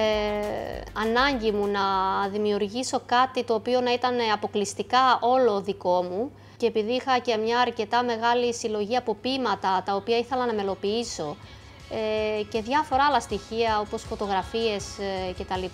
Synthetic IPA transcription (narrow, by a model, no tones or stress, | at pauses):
ɐnɐɲɟimunɐðimiuɾʝiso̞kɐt̪it̪o̞ːpio̞nɐit̪ɐneɐpo̞klist̪ikɐo̞lo̞ðiko̞mu | ce̞ːpiðiixɐce̞mɲɐːɾce̞t̪ɐme̞ɣɐlisilo̞ʝiɐpo̞pimɐt̪ɐt̪ɐo̞piɐiθe̞lɐnɐme̞lo̞piiso̞ | ece̞ðʝɐfo̞ɾɐɐlɐst̪içiɐo̞po̞sfo̞t̪o̞ɣɾɐfie̞sce̞t̪ɐli